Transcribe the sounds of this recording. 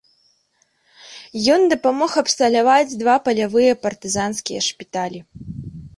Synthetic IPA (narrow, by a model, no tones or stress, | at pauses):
jɔnd̪ɐpamɔxɐpst̪ɐlʲavad͡zʲd̪vapɐlʲavɨjɐpɐrt̪ɨzanskʲijɐʂpʲit̪alʲi